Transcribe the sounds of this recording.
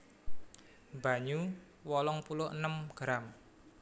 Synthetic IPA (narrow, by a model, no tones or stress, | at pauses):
baɲu | wɔlɔŋpulʊə̰nəmɡ̥ɾam